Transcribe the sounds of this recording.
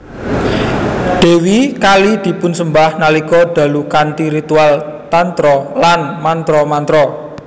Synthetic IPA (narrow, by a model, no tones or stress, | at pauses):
ɖ̪̥e̤wikalid̪̥i̤pʊnsəmbahnalikɔɖ̪̥a̤lukant̪iɾit̪ualt̪ant̪ɾɔlanmant̪ɾɔmant̪ɾɔ